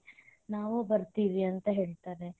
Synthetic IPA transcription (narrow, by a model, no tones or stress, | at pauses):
naːʋubɐɾt̪iːʋiɐnt̪ɐɦe̞ːɭt̪aːɾe̞